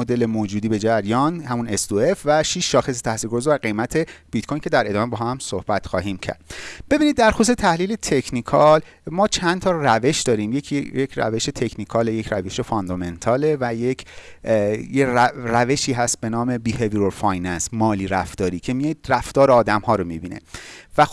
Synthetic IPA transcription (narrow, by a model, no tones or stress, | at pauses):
od̪e̞le̞moːd͡ʒuːd̪iːbe̞d͡ʒæɾjɒːnhæmunesd̪uefvæʃiːʃːɒːxe̞s̬et̪ʰæhsiːlɡoozeæɾɡe̞jmæt̪ʰe̞b̥it̪kʰojncʰe̞d̪æɾe̞d̪ɒːmebɒɦæmsohb̥æt̪xɒːɦiːmcʰæ̰ɾd̪̥b̥e̞biːnid̪ːæɾxost̪et̪ʰæhliːle̞t̪ʰe̞cʰnikʰɒl | mɒːt͡ʃʰænt̪ʰɒːræve̞ʃd̪ɒːɾiːmjeijecʰɾæ̰ve̞ʃe̞t̪ʰe̞cʰnikʰɒːlejecʰɾæve̞ʃefond̪ɒme̞nt̪ʰɒːle̞væjecʰ | jeræve̞ʃiːɦæst̪̚be̞nɒːme̞biːheviɾofɒjnænsmɒːliːɾæft̪ɒːɾiːcʰe̞mijid̪ɾæft̪ɒːɾeɒːd̪æmhɒːɾomibḭːnḛvæ